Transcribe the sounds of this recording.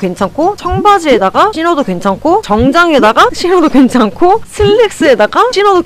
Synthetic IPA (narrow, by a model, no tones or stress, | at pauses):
kwe̞nt͡ɕʰaŋkʰot͡ɕʰʌŋbad͡ʑiedaɡaɕʰinʌdokwe̞nt͡ɕʰaŋkʰot͡ɕʌŋd͡ʑaŋe̞daɡaɕʰinʌdokwe̞nt͡ɕʰaŋkʰosʰɯɭːek̚s͈ɯe̞daɡaɕʰinʌdo